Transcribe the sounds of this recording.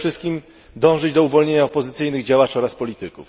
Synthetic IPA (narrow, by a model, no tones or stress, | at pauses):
ʂɘst̪̚kʲim | d̪ɔ̃w̃ʐɘd͡ʑd̪ɔuvɔlɲeɲaɔpɔzɘt̪sɘjnɘɣd͡ʑawat͡ʂɔɾaspɔlʲit̪ɘkuf